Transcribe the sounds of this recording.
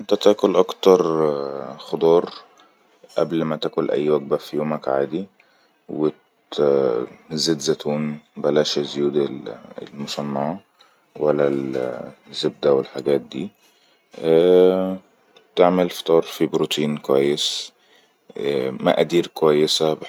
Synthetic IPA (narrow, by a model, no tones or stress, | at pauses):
ʔnt̪æt̪æːkʊlʔɑkt̪ɑɾˤ | xod̪ˤɑːɾˤ | ʔæblmæt̪æːkʊlʔæ̰jːwæɡ̚bæfijuːmækʕaːd̪i | wɪt | zɪd̪zæt̪uːnbælæːʃazjuːd̪̰lmʊsˤɑnːɑʕɑ | wælːæl | zːeb̚d̪æwɪlħaɡæːt̪̚d̪ḭː | t̪eʕmelft̪ˤɑːɾˤfibɾut̪iːnkowæjːɪs | mæ̰ʔæd̪iːɾkowæjːɪsæb